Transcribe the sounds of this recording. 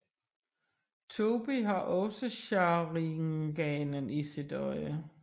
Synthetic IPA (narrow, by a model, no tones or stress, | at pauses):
t͡sʰo̝b̥iɦɑ̈ʔɒ̽səɕɑ̈ʁiŋɡ̥ɛːnənisid̥ɒɪə